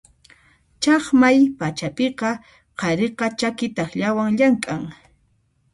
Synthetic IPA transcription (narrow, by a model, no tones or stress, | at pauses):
t͡ʃɑχmajpat͡ʃapeqɑ | qɑɾeqɑt͡ʃakɪt̪ɑχʎawaŋʎaŋkʼaŋ